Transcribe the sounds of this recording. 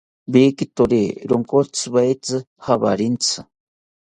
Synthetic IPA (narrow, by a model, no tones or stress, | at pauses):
bikit̪oɾeɾoŋkot͡sʰɨβajt͡sɨ | haβa̰ɾint͡sʰɨ